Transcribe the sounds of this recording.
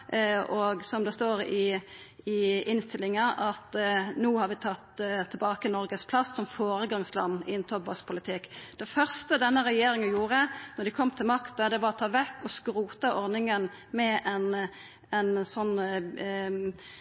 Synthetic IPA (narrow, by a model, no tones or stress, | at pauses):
ɔɡsɔmd̪ɛst̪oːɾɪ | ɪɪnst̪ɪlːɪŋɑʔɑt̪nuːhɑɾʋɪt̪ʰɑt̪ːt̪ʰɪlbɑːkənɔɾɡəspʰlɑsːɔmfoːɾəɡɑŋslɑ̰nːɪ̰ɛnt̪ʰɔbɑspʰʊlɪt̪ʰɪkːd̪̥ɛfœʁst̪əd̪ɛnːəɾɛjeːɾɪŋənjuːʁənɔd̪ɪkʰɔmːt̪ʰɪlmɑkt̪əd̪ɛʋɑɾɔt̪ʰɑːʋɛkːɔskɾuːt̪əʔɔʁnɪŋən | mɛʔɛn | ɛnsɔnː